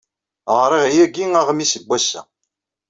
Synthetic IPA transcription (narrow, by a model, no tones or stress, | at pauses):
ʁɾˤiʁjæɡiŋæʁəmisəbʷːæsːæ̰